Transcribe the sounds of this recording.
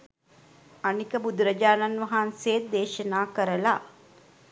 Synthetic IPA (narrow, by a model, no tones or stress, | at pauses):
ɐnikəbud̪ɾɐd͡ʒaːnɐnʋɐɦaːnseːt̪̚d̪eːʃɐnaːkəɾəla̰